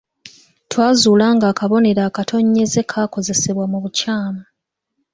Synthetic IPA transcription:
twaːzuːlaːŋɡaːkaβo̞ne̞ɾaːkatʰo̞ɲːe̞ze̞kʰaːko̞ze̞se̞βwamuβucaːma

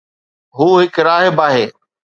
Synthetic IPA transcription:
ɦuːɦɪkɾaːɦəbaːɦeː

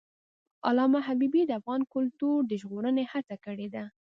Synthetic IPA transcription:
a̰lɑmaɦabibid̪əafɣɑnkʊlt̪uɾd̪əʒɣoɾənehat͡sakəɽed̪a

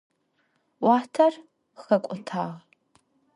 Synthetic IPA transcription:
wʷɑːtʰɐr | xɐkʷʼʊtʰaːʁ

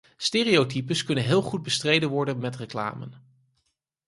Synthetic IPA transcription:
steːriowtipəskɵnənɦɪːlˠχud̚bəstrejdənʋɔɹdənmɛtrəkla̰ːmə̰n

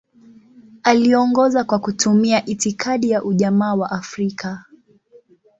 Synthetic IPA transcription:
aliɔŋɡɔzakwakutʰumiaʔitikʰaɗijaʔuʄamaːwaʔafɾikʰa

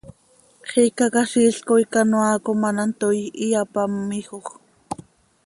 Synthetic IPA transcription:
χikakaʃiɬkoikanoaːkomanant̪ojijapamːixoχ

